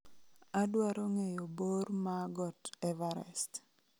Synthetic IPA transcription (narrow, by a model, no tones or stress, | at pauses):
adwaɾɔŋejobormaɡɔtɛvaɾɛ̰st